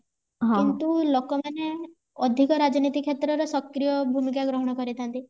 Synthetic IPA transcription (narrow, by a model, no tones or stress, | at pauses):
ɦkint̪ulokɔmane | ɔd̪ʱikɔɾad͡ʒɔnit̪ikʰet̪ɾɔɾɔsɔkɾijɔbʱumikaɡɾɔɦɔɽ̃ɔkɔɾit̪ʰant̪i